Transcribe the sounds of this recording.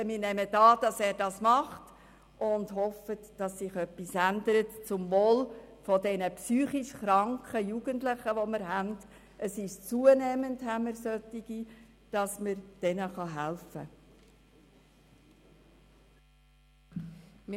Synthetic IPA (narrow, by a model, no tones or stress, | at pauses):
əmɪɾnɛmətɑːd̥ɑsɛːɾdɑsmɑχt | ʔʊndhɔfətd̥ɑsːɪχœpːisændəɾətt͡sʊmvoːl | fɔdɛnəpsyːχiʃχɾɑŋkχəjuɡəntlɪχəʋɔmɪɾɦænd | əsɪʃt͡suənɛmənthæməɾsœt̪ːiɡ̥i | d̥ɑsməɾd̥ɛnəχɑɦælfə̰ | m